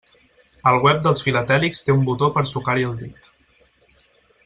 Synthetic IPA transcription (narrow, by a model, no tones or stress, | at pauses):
əlˠɣwɛp̚d̪əlˠsfilət̪ɛlikst̪eumbut̪opəɾsukaɾiəlˠd̪it̪